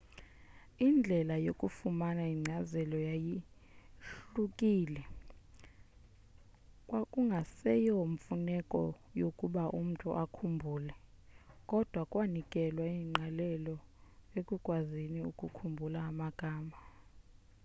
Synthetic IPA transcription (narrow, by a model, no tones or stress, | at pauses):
ind͡ɮʱɛlajokʼufumanaiŋ͡ǀʱazɛlɔjaji | ɬukʼiːlɛ | kʼwakʼuŋɡʱasɛjɔɱfunɛkʼɔ̰ | jokʼuɓaʔum̩tʼṵʔakʰumbʱuːlɛ | kʼɔd̥ʱwakʼwanikʼɛlwaiŋ͡ǀʱalɛlɔekʼukʼwaziniṵkʼukʰumbʱulaːmaɡ̥ʱaːma